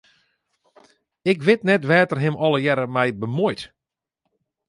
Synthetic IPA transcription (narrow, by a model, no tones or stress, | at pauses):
ɪkʋɪtnɛtʋɛːtərɦɪmʔɔləjɛɾəmɛjbəmojt